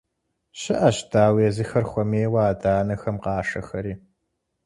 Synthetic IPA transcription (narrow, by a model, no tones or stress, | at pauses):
ɕɨʔɐɕtʰaːweːzɨxɐrχʷɔmeːwaːdaːnɐxɐmqɑːʂɐxɐɾiː